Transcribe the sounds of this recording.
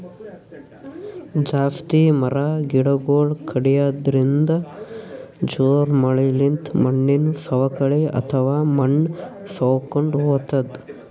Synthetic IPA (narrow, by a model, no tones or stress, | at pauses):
d͡ʒaːst̪imɐɾaɡiɽɐɡoːɭkʰɐɽijaːd̪ɐɾind̪ɐ | d͡ʒoːɾmɐɭɐlint̪mɐɳːinsɐʋɐkɐɭeɐ̰t̪ʰɐʋaːmɐɳː | sɐʋkoɳɖɦoːt̪ɐd̪